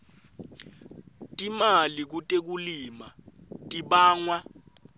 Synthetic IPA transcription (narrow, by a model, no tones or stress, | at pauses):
tʼimalik̬utʼek̬ulimatʼiɓaːŋwa